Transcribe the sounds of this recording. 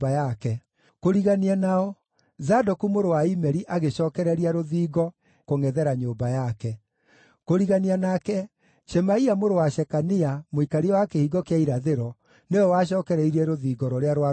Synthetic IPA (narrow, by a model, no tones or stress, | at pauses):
bajakɛ | koɾiɣanianaɔ | zadɔkumoɾowaimɛɾiʔaɣeɕɔːkɛɾɛɾiaɾoðiːɣɔ | koŋɛðɛɾaɲoːmbajakɛ | koɾiɣanianakɛ | ʃɛmaiamoɾowaʃɛkaniamoikaɾiɔwakehiɡɔkeaiɾaðeɾɔ | newɔwaʃ̬ɔːkɛɾɛiɾɛɾoðiːɡɔɾɔɾeaɾwa